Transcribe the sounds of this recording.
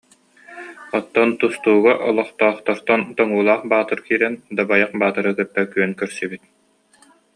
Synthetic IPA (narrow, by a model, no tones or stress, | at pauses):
ɔt̪ːɔnt̪ust̪uːɡaʔɔlˠɔχt̪ɔːχt̪ɔɾt̪ɔnt̪ɔŋuːlˠaːχbaːt̪ɯɾkiːɾɛnd̪abajaχbaːt̪ɯɾɯkœɾpːɛkːyœnkœɾsibit̪̚